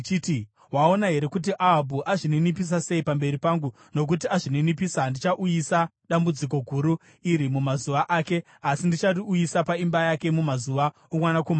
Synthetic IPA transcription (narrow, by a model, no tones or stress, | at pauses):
t͡ʃiti | ɦwao̞naɦe̞ɾe̞kut̬iʔaːbʱuʔaʐinenip̬is̬ase̞ipambe̞ɾipaŋɡu | no̞k̬ut̬iaʐinenipiːsandit͡ʃaʔujisa | ɗambud͡zik̬o̞ɡʱuɾu | iɾimumazuʋaʔaːke̞ | asindit͡ʃariujisapaimbajake̞mumazuʋa | omwanakoma